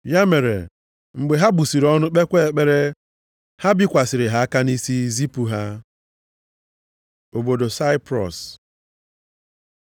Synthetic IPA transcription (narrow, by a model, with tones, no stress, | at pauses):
ja˦me˨ɾḛ˨ | ŋ͡m̩˨ɡ͡be˨ɦa˦bu˨si˨ɾɔ˦nʊ˦k͡pe˦kʷe˦e˨k͡pe˦ɾe˦ | ha˦bɪ˦kʷa˨sɪ˨ɾɪ˨ɦa˦a˦ka˦ni˦si˦zi˦pu˨ɦa˦ | o˨bo˨do˨sa˦ɪ˦pɾɔ̰˨s